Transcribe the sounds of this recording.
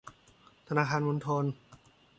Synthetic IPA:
t̪ʰa˧naː˧kʰaː˧nmo˧nt̪ʰo˧n

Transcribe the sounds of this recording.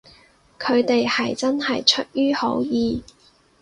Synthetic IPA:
kʰɵ˨˧ɥt̪e˨jhɐ˨jt͡sɐ˥nhɐ˨jt͡ʃʰɵ˥t̚jyː˥ho˨˥wjiː˨˧

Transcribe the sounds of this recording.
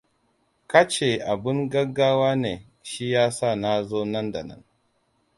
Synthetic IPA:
ka˦t͡ʃe˨ʔa˨bɪ˦ŋɡɐ˦ɡaː˦waː˦neː˨ | ʃi˦jaː˦sa˦˨na˦zoː˦nɐ˦nda̰˨nɐ̰˦n

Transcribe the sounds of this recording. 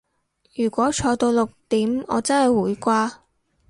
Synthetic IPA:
jyː˨˩kʷɔː˨˥t͡ʃʰɔː˧t̪o˧wlʊ˨k̚t̪iː˨˥mɔ̰ː˨˧t͡sɐ˥nhɐ˨jwuː˨˥jkʷaː˧

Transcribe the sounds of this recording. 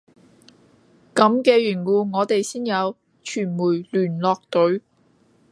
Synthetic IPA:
kɐ˨˥mkɛː˧jyː˨˩nwuː˨˧ŋɔː˨˧t̪e˨jsiː˥njɐ˨˧w | t͡ʃʰyː˨˩nmuː˨˩lyː˨˩nlɔː˧k̚t̪ɵ˨˥ɥ

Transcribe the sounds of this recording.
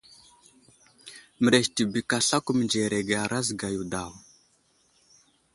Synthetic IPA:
mə˨ɾe˨ʃti˨bi˨ka˨ɬa˦ku˦mi˨nd͡ʒe˨ɾe˨ɡe˨a˨ɾa˦zɡa˨ju˨da˨w

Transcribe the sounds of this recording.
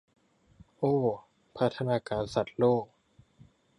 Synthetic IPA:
ʔoː˧˩ | pʰa˦˥t̪ʰːa˧naː˧kaː˧nsa˨˩t̪̚loː˥˩k̚

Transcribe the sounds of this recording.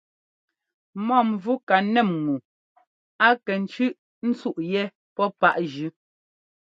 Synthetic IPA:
mɔ˦˨m˨vu˦ka˨nɛ˦˨mŋu˨ | a˦kɛ˨n̩˦t͡ʃʉ˦ʔ | n̩˦t͡su˦˨ʔjɛ˦ | pɔ˦pa˦˨ʔʒʉ˦

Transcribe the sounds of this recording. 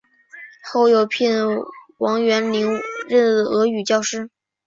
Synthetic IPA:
xo˥˩ʊjo˨˩ʊpʰi˥˩nwɑ˧˥ŋɥɛ˧˥nli˧˥ŋɻə˥˧˩n˥˩d̪ə˩ɤ˧˥y˨˩t͡ɕjɑ˥˧ʊʂɻ̩˥˩

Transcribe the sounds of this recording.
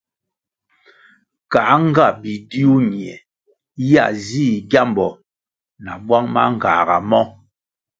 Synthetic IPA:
ka˨˦ŋ̩˦ɡa˦˨bi˨di˦u˦ɲi˨ɛ˨ | ja̰˨ziː˦˨ɡja˦m˨bɔ˨ | na˨bwa˦ŋma̰˦ŋ̩˨ɡaː˨ɡa˨mɔ˦

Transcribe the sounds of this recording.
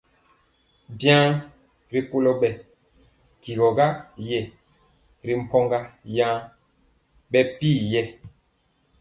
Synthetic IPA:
bjã˦ | ɾi˨ko˦lɔ˦ɓɛ˨ | ki˨ɡɔ˨ɡa˦jɛ˨ | ɾi˨m̩˨pɔ˦ŋɡa˦jã˦ | ɓɛ˦piː˦˨jɛ˦˨

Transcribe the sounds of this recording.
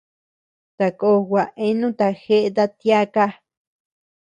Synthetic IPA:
t̪a˧ko˧ɣʷa˨ʔe˦nũ˦t̪a˧xe˦ʔt̪a˧t̪ja˦ka˦

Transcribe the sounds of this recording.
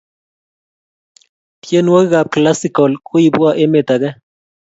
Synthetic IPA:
tje˦n˦o˦kɣa˨p̚kla˦si˨kɔ˨lkʰʼu˦i˨bwa˦ʔe˦me˨t̪a˨ɡɛ˦

